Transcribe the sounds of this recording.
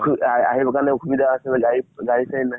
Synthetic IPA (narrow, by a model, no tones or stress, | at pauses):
kʰua̰ɦibkanɛkʰubid̪aːsɛlɛɡaɹiɡaɹisaɦina